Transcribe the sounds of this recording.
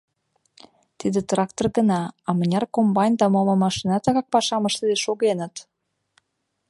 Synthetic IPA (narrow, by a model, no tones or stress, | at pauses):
t̪id̪ĕt̪rɑkt̪orɣənɑɑmə̆nʲɑrkombɑnʲd̪ɑmɑlɑmɑʃinɑt̪ɑɣɑk̚pɑʃɑməʃt̪ə̆d̪eʃoɣenət̪